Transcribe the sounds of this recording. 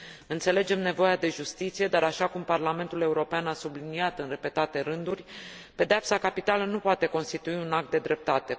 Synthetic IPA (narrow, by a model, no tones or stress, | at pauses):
ɨnt̪se̞le̞d͡ʒe̞mne̞vo̞jad̪e̞ʒust̪it̪sije̞d̪aɾaʃakumparlame̞nt̪ule̞uɾo̞peanasubliniat̪ɨnre̞pe̞t̪at̪e̞ɾɨnd̪urʲpe̞d̪eapsakapit̪alənupoat̪e̞ko̞nst̪it̪uiunak̚t̪̚d̪e̞d̪ɾe̞p̚t̪at̪e̞